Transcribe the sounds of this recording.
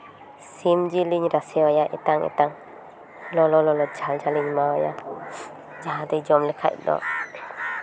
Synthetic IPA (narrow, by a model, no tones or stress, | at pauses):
simd͡ʒiliɲɾasɛɔjaʔɛt̪aŋɛ̰t̪aŋ | lɔlɔlɔlɔd͡ʒald͡ʒaliɲmawɔja | d͡ʒaɦãd̪ɛjd͡ʒɔmlɛkʰa̰ʔ̚dɔ̰